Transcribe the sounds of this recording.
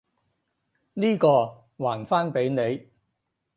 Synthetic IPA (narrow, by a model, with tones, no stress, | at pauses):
niː˥kɔː˧ | waː˨˩nfaː˥npe˨˥jne˨˧j